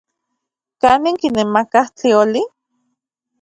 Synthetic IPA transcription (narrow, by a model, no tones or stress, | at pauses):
kaːniŋkinemakaht͡ɬioli